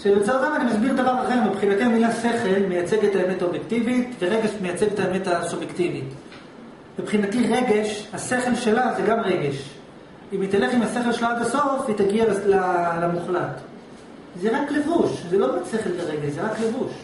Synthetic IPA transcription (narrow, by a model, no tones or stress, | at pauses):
ʃesatamanimasbiʁd̪avaʁaχe̞ʁmipχinat̪iamilase̞χe̞lmejat͡se̞ɡet̪aemetaobjekt̪ivitveʁeɡe̞ʃmejat͡se̞ɡet̪aemetasubjektivit | mipχinatiʁe̞ɡe̞ʃhase̞χe̞lʃe̞lazeɡamʁe̞ɡe̞ʃ | imit̪ale̞χimase̞χelʃelaad̪aso̞fit̪aɡiallalamuχlat | zeʁakle̞vuʃzelo̞ase̞χelbeʁeɡeʃzeʁakle̞vuʃ